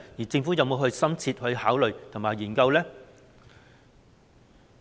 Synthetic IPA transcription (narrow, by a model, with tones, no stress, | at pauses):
jiː˨˩t͡sɪ˧ŋfu˨˥jɐ˨˧wmo˨˧wɦɵ˧ɥsɐ˥mt͡sʰiː˧t̚hɵ˧ɥhaː˨˥wlɵ˨ɥt̪ʰʊ˨˩ŋmaː˨˩jiː˨˩nkɐ˧wlɛː˥